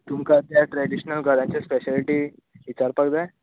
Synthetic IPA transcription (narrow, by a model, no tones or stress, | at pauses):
t̪umkat̪jaʈɾɛɖiɕnəlɡʱəɾãɲt͡ɕaspeɕaliʈiː | ʋit͡ɕaɾpaɡd̪ae